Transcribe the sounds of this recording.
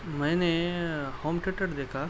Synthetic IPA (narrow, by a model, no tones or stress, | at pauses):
mɛ̃ːnehoːmʈeʈɐʈd̪eːkʰaː